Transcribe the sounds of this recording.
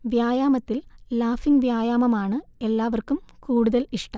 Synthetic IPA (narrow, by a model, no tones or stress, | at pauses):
ʋjaːjaːmɐt̪ːilːaːfinʋjaːjaːmɐmaːɳɨe̞lːaːʋɐrkumkuːɽuðɐliʂʈɐm